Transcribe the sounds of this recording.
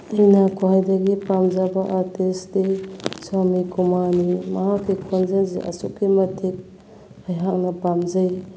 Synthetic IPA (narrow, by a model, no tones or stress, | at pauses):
ɐjnakʰoɦajdɐɡipamzabaʔaɾtesdesamikumanimɐɦakːikʰonzanzḭʔɐ̰sukːimɐtʰik̚ | ajɦak̚nɐpamzɐj